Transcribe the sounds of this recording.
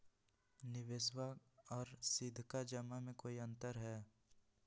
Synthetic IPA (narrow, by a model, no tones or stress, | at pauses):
nɪʋeswaɔːɾsɪd̪ʱkad͡ʒəmːamẽkoːiɐ̃nt̪əɾɦɛː